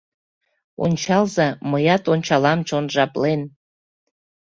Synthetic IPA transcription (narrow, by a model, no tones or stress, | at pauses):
o̰nʲt͡ɕɑlzɑməjɑt̪onʲt͡ɕɑlɑmt͡ɕonʒɑplen